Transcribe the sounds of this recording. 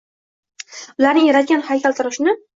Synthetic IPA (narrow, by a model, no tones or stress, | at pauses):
ʊlaɾnɪŋjaɾat̪̚ɡʲanhajkʲʰalˠt̪ʰɪɾɪʃnɪ